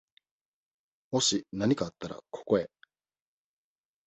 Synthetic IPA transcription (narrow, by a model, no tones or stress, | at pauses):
mo̞ɕinaɲ̟ikaːt̪ːaɾa̰kʰo̞̥ko̞e̞